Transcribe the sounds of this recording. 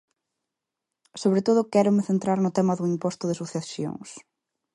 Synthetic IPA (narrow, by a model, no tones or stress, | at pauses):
soβɾet̪oð̞ʊkɛɾʊmɪθent̪ɾaɾnʊt̪ɛmɐðʊimpɔst̪ʊðɪsuθasjo̰ŋs